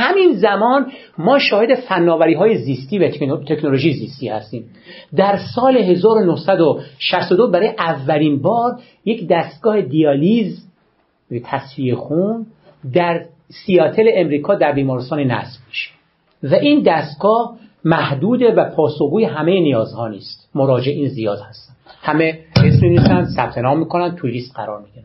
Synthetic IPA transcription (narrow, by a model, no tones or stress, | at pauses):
hæminzæmɒːn | mɒːʃɒːhe̞d̪e̞fænːɒːvæɾiːɦɒːjeziːst̪iːvæt̪ʰeknolo̞ʒiːziːst̪iːhæ̰st̪iːm | d̪æɾsɒːle̞ɦe̞zɒːɾonohsæd̪oʃæst̪od̪obæɾɒːjeʔævːæliːnbɒːɾ | je̞cd̪æst̪̚ɡɒːhe̞d̪ijɒːliz | t̪ʰæsviexun | d̪æɾ | sijɒːt̪ʰeleʔemɾiːkʰɒːd̪æɾbiːmɒːɾest̪ɒːnenæ̰sbmiʃe̥ | væʔiːnd̪æst̪̚ɡɒːhmæhd̪uːd̪evæpʰɒːsohɡuːjeɦæmejenijɒːzhɒːniːst̪moɾɒːd͡ʒeeiːnzijɒːd̪hæst̪ænd̪hæmeesmivisænd̪sæb̥̚t̪ʰenɒːmːiːkʰo̞nænd̪̚t̪ʰuɾiːst̪ɢæɾɒːɾmid̪iæ